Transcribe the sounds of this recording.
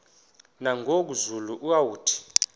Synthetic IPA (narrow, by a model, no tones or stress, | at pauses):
naŋok̬uzuluʔuawuːtʰi̥